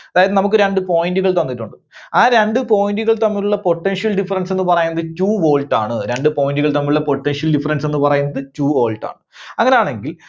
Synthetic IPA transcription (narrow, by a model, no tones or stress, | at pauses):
ɐðaːjɐðɨnɐmuk̬ːɨɾe̞ɳɖɨpo̞ːjinduɣɐɭt̪onːiʈːuɳɖɨ | aːɾe̞ɳɖɨpo̞ːjinduɣɐɭt̪ɐmːiluɭːɐpo̞ʈːenʂijɐlɖifɐrɐnse̞nːɨpɐrɐjunːɐðɨt͡ɕuːʋo̞ːlʈaːɳɨɾe̞ɳɖɨpo̞ːjinduɣɐɭt̪ɐmːilɻuɭːɐpo̞ʈːenʂiɐlɖifɐrɐnse̞nːɨpɐrɐjunːɐðɨt͡ɕuːoːlʈa̰ːɳɨɐŋːɐne̞jaːɳe̞ŋɡil